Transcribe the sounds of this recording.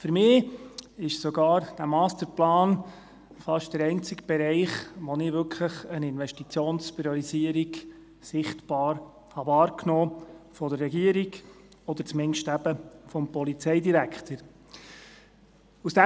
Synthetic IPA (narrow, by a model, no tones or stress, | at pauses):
fɵɾmɪːɪʃsɔɡɑːɾd̥æmɑːstəɾplɑːn | fɑʃtd̥əɾɛnt͡sɪɡb̥ɛɾɛɪχʋɔnɪʋʏkʰləχənɪnʋɛʃtit͡sjoːnspɾijɔɾiziəɾiɡ | sɪχtb̥ɑːɾ | hɑvɑːɾknoːfɔd̪əɾrːɛɡiəɾiɡ | ɔd̪əɾt͡smɪnʃtæb̥əfɔmpɔlit͡sɛɪdiɾækʰtəɾ | usd̥æ